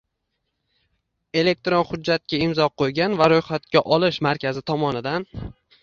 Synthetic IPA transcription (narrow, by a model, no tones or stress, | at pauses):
e̞le̞k̚t̪ɾonχʊd͡ʒːat̪̚kʲaɪmzɒqʰojɡʲanvaɾojχat̪̚kʲaʔɒlˠɪʃmaɾkʲʰazɪt̪ʰɒmɒnɪd̪an